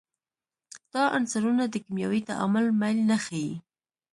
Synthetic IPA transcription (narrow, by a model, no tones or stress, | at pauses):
d̪̥ɑʔansaɾunad̪əkimjɑwit̪a̰ʔa̰mʊlmajlnaxaji